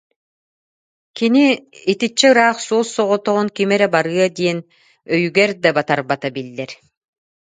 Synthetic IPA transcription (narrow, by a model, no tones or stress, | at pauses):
kiniːt̪it͡ɕːɛɯɾaːχsuɔsːɔʁɔt̪ɔʁɔnkimɛɾɛbaɾɯɐd̪iɛn | œjyɡɛɾd̪abat̪aɾbat̪abilːɛɾ